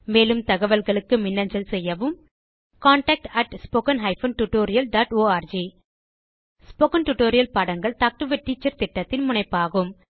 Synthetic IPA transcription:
meːlɯmt̪ɐɣɐʋɐlɣɐɭɯkːɯmɪnːɐɲd͡ʒɐlsɛjːɐʋɯm | kaːɳʈɐk̚ʈɐʈspoːkɐnɦɐɪfɐnʈʊʈoːɾɪjɐlɖaːʈoːaːɾd͡ʒi | spoːkɐnʈʊʈoːɾɪjɐlpɐɽɐŋɡɐɭt̪aːk̚ʈɯʋɐʈːiːt͡ʃːɐɾt̪ɪʈːɐt̪ːɪnmʊɳɐɪpːaːɣɯm

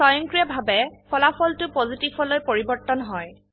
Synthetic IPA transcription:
sɔjɔŋkɹijabʱabɛpɔlapʰɔltʊpozitibɔlojpoɹibɔɹtɔnɦɔj

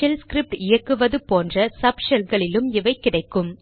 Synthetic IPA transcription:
ɐlskɾɪp̚ʈɪjɐkːɯʋɐðɯpoːndrɐsɐpʂɐlɡɐɭɪlɯmɪʋɐɪkːɪɽɐɪkːɯm

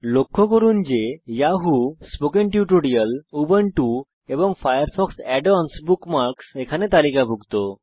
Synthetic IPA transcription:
lokʰːokoɾund͡ʑejaɦuspokenʈjuʈoɾiəlubəɳʈu | eboŋfʰajəɾfʰɔksɛɖɔnsbukmaɾksekʰanet̪alikabʱuɡt̪o

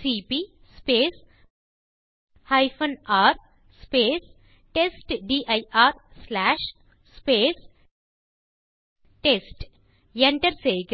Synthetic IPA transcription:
sipiː | speːs | hajɪfə̃naːɾ | speːs | ʈesʈɖiːʔajaːɾslæːʃ | speːs | ʈesʈ | jeɳʈəɾseːɡ

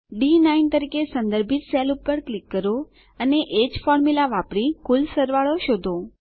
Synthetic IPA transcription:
ɖinaint̪əɾikesə̃nd̪əɾbʱit̪selupːəɾklikːəɾo | əneʔed͡ʒfɔɾmulaʋapɽikulsəɾʋaɭoʃod̪ʱo

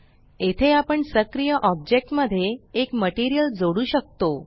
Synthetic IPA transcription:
et̪ʰeapəɳsəkɾijəʔɔb̚d͡ʑek̚ʈməd̪ʱːjeekməʈiɾijəld͡zoɽuːɕək̚t̪o

